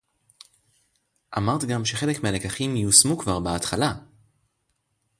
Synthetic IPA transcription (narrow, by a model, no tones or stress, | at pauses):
ʔamaʁt̪ɡamʃe̞χe̞le̞kmeale̞kaχimjusmukvaʁbaat̪χala